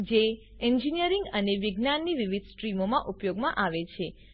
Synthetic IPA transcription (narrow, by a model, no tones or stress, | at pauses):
d͡ʒe | ɛɲd͡ʒinijəɾĩŋɡəneʋiɡnanːiʋiʋid̪sʈɾimomãʔupjoɡmãʔaʋet͡ʃʰe